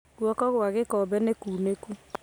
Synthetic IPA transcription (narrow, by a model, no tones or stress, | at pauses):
ɣwɔkɔɣwaɣekɔːbɛnekuːneku